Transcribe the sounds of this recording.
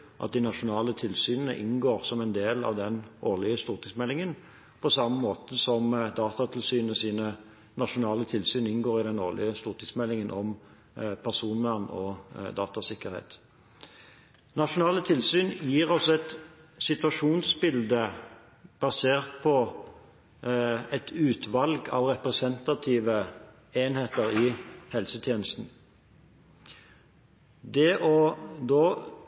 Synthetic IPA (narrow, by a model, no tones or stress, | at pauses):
ʔɑ̰t̪̚d̪ɪnɑʂʊnɑːlət̪ʰɪlsyːnənə̰ʔɪnɡoːʁsɔmɛnd̪eːlɑ̰ʋd̪ɛnʔoːʁlɪəst̪uːʁt̪ʰɪŋsmɛlːɪŋən | pʰɔsɑmːəmoːt̪əsɔmd̪ɑːt̪ɑt̪ʰɪlsyːnəsiːnə | nɑʂʊnɑːlət̪ʰɪlsyːnəɪnɡoːʁɪd̪ɛno̰ːʁlɪ̰əst̪uːʁt̪ʰɪŋsmɛlːɪŋənʔɔm | pʰæʁsuːnənɔd̪ɑːt̪ɑsɪkːəʁhḛːt̪ | nɑʂʊnɑːlət̪ʰɪlsyːnjiːʁɔsɛt̪ | sɪt̪ʉɑʂuːnsbɪld̪ə | b̥ɑseːʁt̪pʰɔ | ɛt̪ʰʉːt̪ʰʋɑlɡɑ̰ʋʁɛpʁɛsɛnt̪ɑt̪ʰiːʋə | eːnheːt̪əɾɪhɛlsət̪ʰjeːnəst̪n̩ | d̪ɛʔɔd̪oː